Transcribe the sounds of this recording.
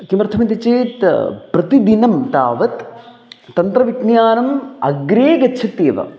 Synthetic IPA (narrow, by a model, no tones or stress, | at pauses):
kimɐɾt̪ʰɐmɐnt̪it͡ʃeːt̪pɾɐt̪id̪inɐmt̪a̰ːʋɐt̪ː | ɐnt̪ɾɐʋiʈnjaːnɐmɐɡɾeːɡɐtːʃʰɐt̪iːʋɐ̰